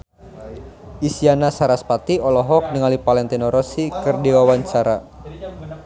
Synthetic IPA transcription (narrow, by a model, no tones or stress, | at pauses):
ʔisianasaɾaspat̪iɔlɔɦɔk̚niŋalipalɛnt̪inɔɾɔsikɨrdiwawaɲt͡ʃaɾa